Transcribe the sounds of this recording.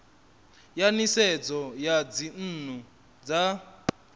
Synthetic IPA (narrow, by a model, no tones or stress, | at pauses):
janisɛd͡zɔjad͡zin̩ːn̤u | d͡za